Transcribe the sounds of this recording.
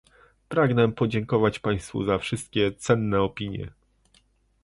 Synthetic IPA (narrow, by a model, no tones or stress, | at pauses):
pɾaɡnɛpɔd͡ʑɛŋkɔvat͡ɕpaj̃st̪fṵzafʂɘst̪̚kʲɛt̪sɛnːɛɔpʲiɲjɛ̰